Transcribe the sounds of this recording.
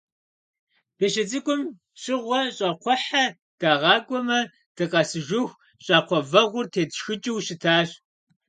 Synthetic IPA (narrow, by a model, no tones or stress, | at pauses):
b̥eɕɪt͡sʼɨkʷʼʊm | ɕʼɪʁʷɔɕʼɐqʷʰɔħa | d̥aːʁɑːkʷʼɔmɐ | d̥ɨqʼɐsɨʒʊxʷ | ɕʼɑːqʷɔvɐʁʷʊrtʰeːtxɨt͡ʃʼɪwɕɪtʰaːɕ